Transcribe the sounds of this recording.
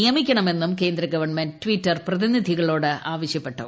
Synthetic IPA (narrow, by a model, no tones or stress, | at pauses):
ijɐmikʲːɐɳɐme̞nːumke̞ːnd̪ɾɐɡɐʋɐrɳmendtʋitːɐrprɐðinid̪ʱiɣɐɭo̞ːɽɨaːʋɐɕjɐpːe̞ʈːɐ